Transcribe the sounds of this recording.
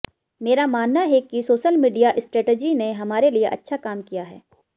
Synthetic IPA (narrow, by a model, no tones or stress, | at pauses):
meːɾamaːnːaɦɛkisoːʃəlmiːɖijaʔɪsʈɾeːʈed͡ʒineɦɐmaːɾelieʔɐ̰tːʃʰakaːmkijaɦɛ̰ː